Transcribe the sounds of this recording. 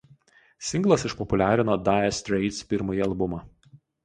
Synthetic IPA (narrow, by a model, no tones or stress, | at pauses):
sʲɪŋɡlˠɐsɪʃpɔpʊlʲæːɾʲɪnoːd̪ɑːɛsʲt̪ʲɾʲɛɪt̪spʲɪɾmɐjiɐlˠbʊmɑː